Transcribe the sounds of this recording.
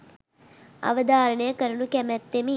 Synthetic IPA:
ɐ̰ʋəd̪aːɾəɳəjəkəɾunukɛmɛt̪ːemi

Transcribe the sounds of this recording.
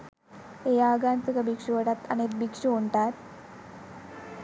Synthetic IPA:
ejaɡant̪ukəbikʂuʋəʈat̪ə̰nek̪̚bikʂuoɳʈat̪

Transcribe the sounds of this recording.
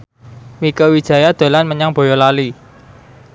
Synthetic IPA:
mikəwid̥ʒ̥a̤jad̪̥o̤lanməɲaŋb̥o̤jɔlali

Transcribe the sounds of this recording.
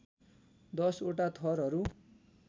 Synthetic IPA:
d̪ʌsoʈat̪ʰʌɾɦʌɾu

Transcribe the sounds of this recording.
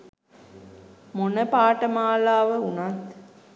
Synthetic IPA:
monəpaːʈəmaːlaːʋəunat̪

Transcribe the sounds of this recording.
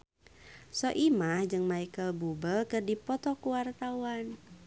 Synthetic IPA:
sɔʔimahd͡ʒɨŋmaikəlbubəlkərdipɔt̪ɔkuwart̪awan

